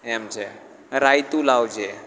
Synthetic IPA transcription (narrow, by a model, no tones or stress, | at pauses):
emd͡ʒʰe | ɾaːjt̪ũlawd͡ʒe